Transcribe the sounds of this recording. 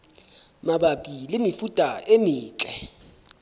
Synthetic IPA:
maɓaɓilimifutʼaʔemiːt͡ɬʼɛ

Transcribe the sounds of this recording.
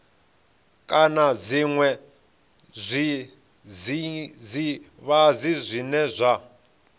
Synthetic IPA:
kʼanaziŋwɛ | zʷi | zizi | βazizʷinɛzʷa

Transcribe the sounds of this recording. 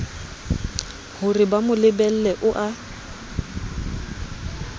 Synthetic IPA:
hʊrɪbamʊlɪbɛl̩lɛʔʊʔa

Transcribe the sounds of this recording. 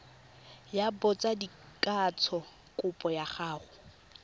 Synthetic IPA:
jabɔt͡sʼadi | kʼat͡sʰɔ | kʼʊpʼɔjaχaːχʊ

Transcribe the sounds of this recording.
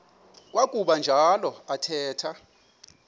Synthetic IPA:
k̬ʼwakʼuɓand͡ʒʱalɔatʰɛːtʰa

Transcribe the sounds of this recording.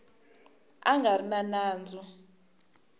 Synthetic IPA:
aŋɡarinanaːnd͡zʱu

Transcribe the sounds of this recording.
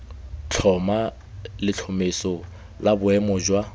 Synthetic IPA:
t͡ɬʰɔma | lɪt͡ɬʰɔmesɔ | labʊɛmɔd͡ʒwa

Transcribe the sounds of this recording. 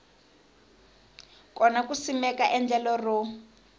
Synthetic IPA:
kɔnakusimɛkaʔɛnd͡ɮɛlɔru

